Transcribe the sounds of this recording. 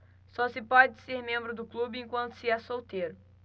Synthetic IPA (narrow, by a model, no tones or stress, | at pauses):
sɔsɪpɔd͡ʒɪseɾmẽmbɾʊd̪ʊklubɪẽkwɐ̃nt̪ʊ̥sɪɛsowt̪eɾʊ